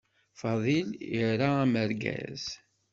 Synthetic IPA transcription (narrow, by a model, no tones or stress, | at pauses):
fɑðˤiliɾaæməɾɡæ̰z̥